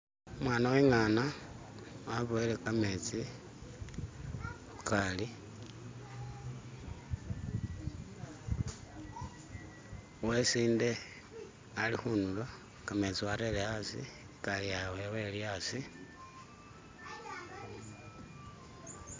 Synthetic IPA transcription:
umwaːnaweŋana | waβoilekamet͡si | ukali | wesiːnde̞ | alixunulo | kame̞t͡siwaɾeleasḭ | kalijawewe̞liasi

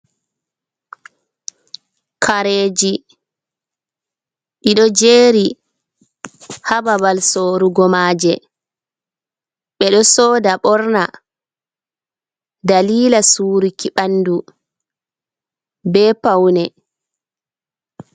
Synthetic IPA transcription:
kʰaɾeːd͡ʒi | ɗiɗɔd͡ʒeːɾi | hababalsoɾuɡɔmaːd͡ʒɛ | ɓɛɗɔsɔːdaɓɔɾna | daliːlasuːɾikiɓanːdu | bɛːpawnɛ

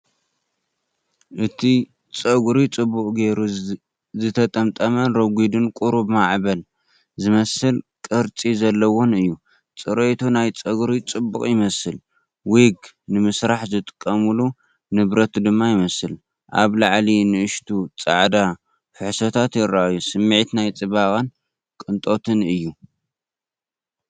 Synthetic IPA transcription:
ʔɨt̪ʰi | t͡sʼɐɡɾit͡sʼɨbːukʼɡe̞ɾu | zɨt̪ʰɐt̪ʼɐmt̪ʼɐmɐnɾɐɡʷid̪ɨnkʼuɾubmaʕbɐl | zɨmɐsɨlkʼɨɾt͡sʼizɐlːɐwonɨjːu | t͡sʼɨɾʔet̪ʰunajt͡sʼɐɡɾit͡sʼɨbːukʼjɪmɐsɨl | wiɡ | nɨmɨsɾaħzɨt̪ʼɨ̥kʼːɐmɨlu | nɨβɾɐt̪d̪ɨmːajɪmɐsɨl | ʔa̰βlaʕlinɨʔɨʃt̪ʰut͡sʼa̰ʕd̪a | fɨħsɐt̪ʰat̪jɪɾːaʔajːusɨmːʕit̪najt͡sʼɨβaɣʼɐn | kʼɨnt̪ʼo̞t̪ʰɨnɨjːu

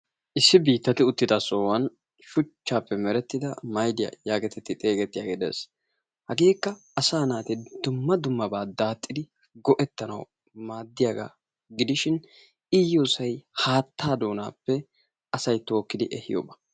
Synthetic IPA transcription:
ʔɪsːɪbiːt̪ːɐt̪ɪʊt̪ːɪd̪ɐsoːwɐn | ʃʊt͡ʃːaːpːɛmɛɾɛt̪ːɪd̪ɐmɐjd̪ɪjɐ̰jaːɡɛt̪ɛt̪ːɪt̪ʼe̞ːɡɛt̪ːɪjaːɡeːd̪ḛːs | hɐɡeːkːɐːsaːnaːt̪ɛd̪ʊmːɐd̪ʊmːɐbaːd̪aːt̪ʼːɪd̪ɪ | ɡɔʔɛt̪ːɐnɐ̰w | maːd̪ːɪjaːɡa̰ | ɡɪd̪ɪʃɪn | ɪjo̞ːsɐjhaːt̪ːaːd̪o̞ːnaːpːɛ | ɐsɐjt̪o̞ːkːɪd̪ɪʔɛhɪ̰jo̰ːbɐ̥

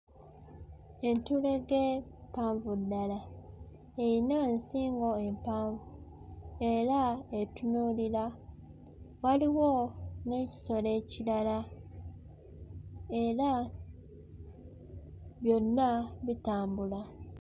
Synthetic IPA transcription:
e̞ntule̞ɡepaːɱvudːala | ejinansiːŋɡo̞empaːɱvu | e̞ɾaetunuːlila | waliwone̞ci̥so̞le̞ːcilala | e̞ɾa | βjo̞nːaβitaːmbula

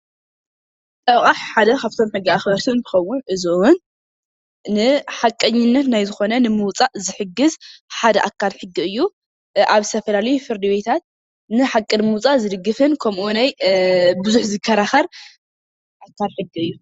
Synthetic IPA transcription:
t̪ʼɐχʼaħħad̪ɐkʰaβt̪ʰo̞mħɨɡːɨaxbɐɾt̪ʰɨnbɨxɐwːʊnʔɨzɨʔwʊn | nɨħakʼːɐɲːɪnːɐt̪najzɨxo̞nɐnɨmɨwt͡sʼaʔzɨħɨɡːɨzħad̪ɐʔakʰːalħɨɡːiɨjːu | ʔaβst̪ʰɐfɐlalɐjufɨɾd̪ibet̪ʰat̪̚ | nɨħakʼːɨnmut͡sʼazɨd̪ɨɡːɨfɨnkʰɐmʔunajbɨzuħzɨkʰːɐɾaxɐɾ | ʔakʰːalħɨɡːiɨjːu

